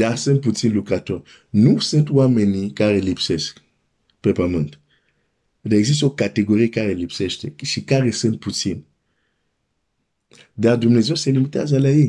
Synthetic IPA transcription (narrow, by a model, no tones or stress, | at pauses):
d̥asə̃nputĩnlukɾatɔ | nũsə̃twamɛ̃nĩkaɾelipsɛs | pepamə̃nt | daɛɡzistokateɡoʁikaɾelipsɛstɛʃikaɾesə̃nputin | dadumnezɔ̃sɛlimiteazalaji